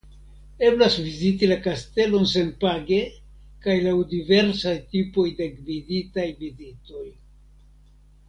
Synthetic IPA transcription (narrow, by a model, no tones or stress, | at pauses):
e̞blasvizitilakaste̞lo̞nse̞npaɡe̞ | kajlawdive̞ɾsajtipo̞jdeɡviditajvizito̞j